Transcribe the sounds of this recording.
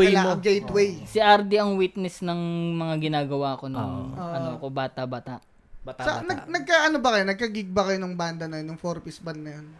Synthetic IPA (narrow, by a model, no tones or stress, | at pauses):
lmoɡejt̪wɛjsiʔɐɾd̪iɐŋwit̪̚nɛsnɐŋmɐŋaɡɪnaːɡɐwaːɐko̞nɐŋʔɐnoɐko̞baːt̪ɐbaːt̪a̰ʔ̪ | sɐnɐɡnɐɡ̚kaːʔɐnobɐkɐjonɐɡ̚kɐɡiɡ̚bɐkɐjonɐŋband̪ɐnɐjonjʊŋfoɾpisbɐnnɐjon